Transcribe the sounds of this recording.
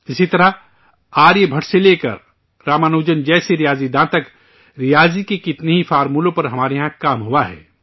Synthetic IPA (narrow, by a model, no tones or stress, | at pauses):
ɪsit̪ɐɾa | aːɾjebʱɐʈseleːkə̰ɾ | ɾaːmaːnoːd͡ʒənd͡ʒɛːseɾɪjaːzid̪ãːt̪ək | ɾɪjaːzikekɪt̪neɦifʰaːɾmuːlõpɐɾɦɐmaːɾeɦãkaːmɦuwaɦɛ̰ː